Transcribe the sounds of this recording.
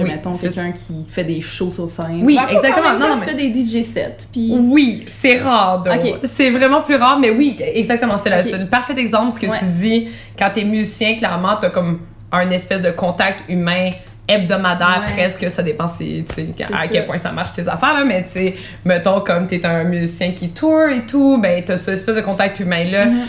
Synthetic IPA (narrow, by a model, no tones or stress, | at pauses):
wimɛt̪ɔ̃kɛkʲkʲʰifɛd̪eʃosoʁsɛ̃wiɛɡzakt̪əmɑ̃nɔ̃fɛd̪ed̪iʒesɛ̰t̪piwisɛʁɑːʁd̪ɔ̃ksɛvʁɛmɑ̃plyʁɑːʁmɛwiɛɡzak̚t̪əmɑ̃sɛlasɛlpaʁfɛt̪ɛɡzɑ̃plsə̥kəyi | kɑ̃t̪yɛmyzisjɛ̃klɛʁmɑ̃t̪yakɔm | ə̃nɛspɛsd̪əkɔ̃t̪ak̚t̪ymɛ̃ | ɛb̚d̪ɔmad̪ɛ̃ʁpχɛskəsad̪epɑ̃sḛsea̰kʲɛlpwɛ̃sa̰maʁʃteza̰fɛːʁlamɛe | mɛt̪ɔ̃kɔmt̪yɛt̪ə̃myzisjɛ̃kʲit̪ʰuʁet̪ubɛ̃t̪yasəɛspɛsd̪əkɔ̃t̪ak̚t̪ymɛ̃lʌ